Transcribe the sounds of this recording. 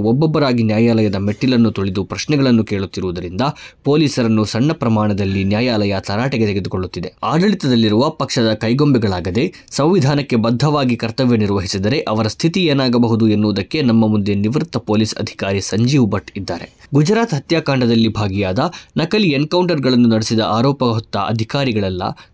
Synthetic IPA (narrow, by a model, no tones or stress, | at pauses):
ɔbːɔbːɐɾaːɡinjaːjaːlɐjɐd̪ɐme̞ʈːilɐnːut̪uɭid̪upɾɐʃnɛɡɐɭɐnːuke̞ːɭut̪ːiɾuʋud̪ɐɾind̪ɐpo̞ːliːsɐɾɐnːusɐɳːɐpɾɐmaːɳɐd̪ɐlːinjaːjaːlɐjɐt̪ʰɐɾaːʈeɡe̞t̪eɡe̞d̪uko̞ɭːut̪ːid̪e̞aːɖɐɭit̪ɐd̪ɐlːiɾuʋɐpɐkʂɐd̪ɐkɐjɡo̞mbɛɡɐɭaːɡɐd̪e̞ | sɐ̃m̃ʋid̪ʱaːnɐkːe̞bɐd̪ʱːɐʋaːɡikɐɾt̪ɐʋjɐniɾʋɐɦisid̪ɐɾe̞ʔɐʋɐɾɐst̪ʰit̪ieːnaːɡɐbɐɦud̪uenːuːɐd̪ɐkːe̞nɐmːɐmund̪e̞niʋɾut̪ːɐpo̞ːliːsɐ̰d̪ʱi̥kaːɾisɐɲd͡ʒiːʋbɐʈid̪ːaːɾe̞ɡud͡ʒɾaːt̪ɦɐt̪jaːkaːɳɖɐd̪ɐlːibʱaːɡijaːd̪ɐnɐkɐlienkɐwɳʈɐɾɡɐɭɐnːunɐɽesid̪ɐʔaːɾɔːpɐɦɔt̪ːɐ̰ʔɐ̰d̪ʱikaːɾiɡɐɭɐlːɐ̰